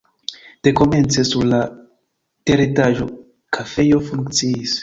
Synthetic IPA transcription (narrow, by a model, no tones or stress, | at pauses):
d̥ekome̞nt͡sesuɾla | teɾitaʒo̞ | kʰafe̞jo̞fuŋkt͡siis